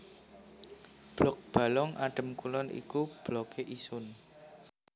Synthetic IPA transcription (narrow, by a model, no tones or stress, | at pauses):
b̥lɔk̚b̥a̤lɔŋaɖ̥ə̤mkulɔnʔḭkub̥lɔkʰeʔisʊn